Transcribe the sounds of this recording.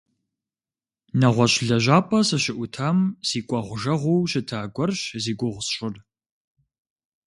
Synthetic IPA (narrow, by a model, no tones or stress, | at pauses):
nɐʁʷɔɕɮɐʒaːpʼɐsɨɕɪʔʷʊtʰamz̥iːkʷʼɐʁʷʊʒɐʁʷowɕɪtʰaːɡʷɔrɕziːɡʷʊʁʷsɕʊr